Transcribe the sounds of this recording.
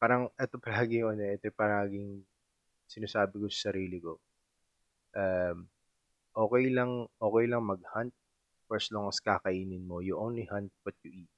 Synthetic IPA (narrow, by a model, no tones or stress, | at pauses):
paːɾɐŋʔɛt̪o̞pɐlaːɡɪʔɐnoʔɛt̪ojpɐɾɐaŋɐɡɪŋ | sɪnaːsaːbɪkosɐ̥sɐɾiːlɪko̞ | ʔam | ʔo̞ːkɛjlɐŋʔo̞ːkɛjlɐŋmɐɡ̚hant̪̚ | pɛsloŋɐskakɐʔiːnɪnmo̞jʊʔonlihant̪̚wɐt̪̚ʊʔi